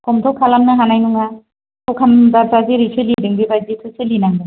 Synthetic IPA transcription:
kɔmtʰɔwkʰalamnɯɦanajnuŋa | tʰɔwkʰamzabzaziɾisʰelidiŋbibajzitʰɯselinaŋbɯ

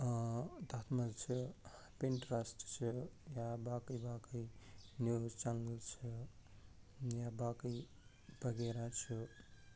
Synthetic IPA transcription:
t̪at̪ʰməlt͡ʃʰə | peɳʈɾasʈt͡ʃʰəjabakəjbakəinjuzt͡ʃanəlt͡ʃʰə | jabakəi | bʱəɡeɾat͡ʃʰə

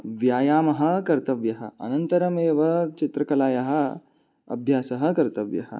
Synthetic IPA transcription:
ʋjaːjaːmɐɦɐ̆kɐɾt̪ɐʋjɐɦɐ̆ɐ̰nɐnt̪ɐɾɐmeːʋɐt͡ʃit̪ɾɐkɐlaːjɐɦɐ̆ | ɐ̰bʱjaːsɐɦɐ̆kɐɾt̪ɐʋjɐ̰ɦɐ̰

